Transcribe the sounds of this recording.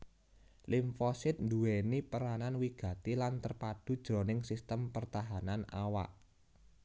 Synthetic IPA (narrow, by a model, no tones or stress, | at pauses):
liɱfɔsɪt̪̚nd̪uwenipəɾananwiɡ̥ä̤t̪ilant̪ərpad̥ṳd̥ʒ̥ɾonɪŋsist̪əmpərt̪aɦanana̰wa̰ʔ